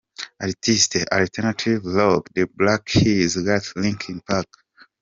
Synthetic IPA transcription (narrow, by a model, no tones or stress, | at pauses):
adtʰistʔaltʰɛnatʰivlɔkdəblakhizɡatlĩŋkĩnpʰak